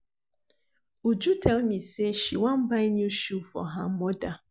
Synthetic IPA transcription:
ud͡ʒutʰɛlmiseʃiwãm̩baɪnjuʃufɔ̰ɦam̩mɔda

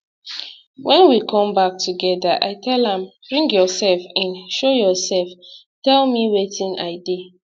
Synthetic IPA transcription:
wɛ̃nwikʰɔ̃mbak̚tʰuɡɛdaʔa̰ɪtʰɛlãmb̥ɹĩŋɡjɔsɛlfãnʃojɔsɛlf | tɛlmiwetĩna̰ɪde

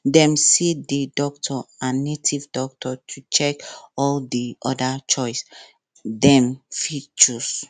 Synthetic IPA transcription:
dɛ̃msedidɔktʰɔãnːetʰivdɔk̚tʰɔtʰut͡ʃɛkɔldiʔɔdat͡ʃɔɪs | dɛ̃mfit͡ʃus

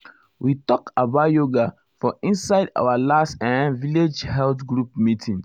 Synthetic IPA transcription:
witɔkabaʊjoɡa | fɔĩnsaɪda̰walastãnviled͡ʒhɛltɡɹup̚mitʰĩns

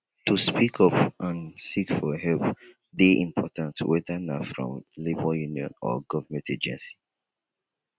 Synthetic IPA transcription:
tuspʰikʰɔpãnsikfɔɦɛlp | deʔĩmpʰɔtãntʰwɛðənafɹɔ̰̃mlibəljuniɔ̰̃nɔ̰ɡɔvəmɛ̃ntʰed͡ʒɛ̰̃nsi̥

